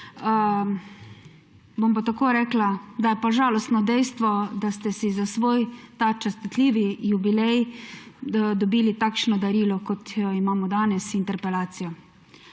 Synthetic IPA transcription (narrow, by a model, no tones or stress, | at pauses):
bompat̪akoːɾɛːklad̪ajɛpaʒaːlɔst̪nɔd̪ɛjst̪ʋɔd̪ast̪ɛsizasʋoːjt̪at͡ʃɛst̪it̪lʲiːʋijubilɛj | d̪ɔbiːlit̪aːkʃnɔd̪aɾiːlɔkɔt̪jɔimaːmɔd̪aːnɛsint̪ɛɾpɛlaːt̪sijɔ